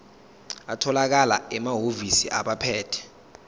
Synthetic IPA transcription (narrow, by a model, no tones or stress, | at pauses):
atʰɔlak̬alaɛmaɦovisḭʔaɓapʰɛːtʰɛ̥